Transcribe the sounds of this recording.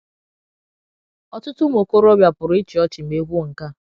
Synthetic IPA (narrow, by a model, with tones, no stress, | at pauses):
ɔ˦tʊ˦tʊ˦mo˨ko˦ɾɔ˦bja˨pʊ˨ɾʊ˨˦ɪ˦t͡ʃi˨ɔ˦t͡ʃɪ˨m̩˨e˦ɡʷu˦˨ŋ̩˨ka˦